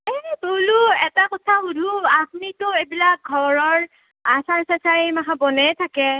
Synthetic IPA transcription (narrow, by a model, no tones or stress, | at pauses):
ɛboluɛtakɔtʰaxudʱuaxmitʊebilak̚ɡʱɔɹɔɹ | asasasaɹejmakabɔnɛjtʰakɛ